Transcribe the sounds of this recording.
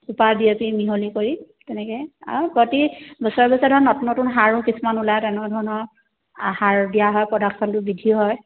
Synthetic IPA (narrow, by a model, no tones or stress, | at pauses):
upaɹdiapimiɦolikoɹi | tɛnɛkɛa̰pɹɔtibɔsɔɔbɔsɔdʱɔnɔtunɔtʊnɦaɹũkisumanulajtɛnɔdʱɔɹɔnɔ | haɹdijaɦɔjpɹɔdaksɔntʊbidʱiɔɦɔj